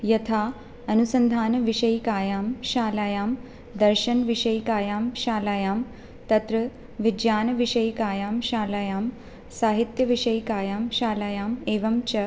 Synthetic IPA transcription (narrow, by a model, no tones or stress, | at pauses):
jɐt̪ʰaː | ɐnusɐnd̪ʱaːnɐʋiʃɐjkaːjaːmʃaːlaːjaːm | d̪ɐɾʃɐnʋiʃɐjkaːjaːmʃaːlaːjaːm | t̪ɐt̪ɾɐ | ʋid͡ʒjaːnɐʋiʃɐjkaːjaːmʃaːlaːjaːm | saːɦit̪jɐʋiʃɐjkaːjaːmʃaːlaːjaːmeːʋɐmt͡ʃɐ